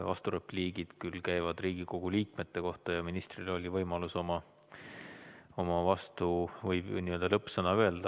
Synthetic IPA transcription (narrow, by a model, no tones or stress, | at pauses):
vɑ̰st̪uɾe̞pliːɡid̪̥kylkæjvɑd̪riːɡ̥iko̞ɡ̥uliːkme̞t̪ˑːe̞ko̞ht̪ɑjɑminist̪rilo̞lʲivɤjmɑluso̞mɑ | o̞mɑvɑst̪uvɤjbniø̞ld̪ɑlɤpːsɤnɑøeld̪̥ɑ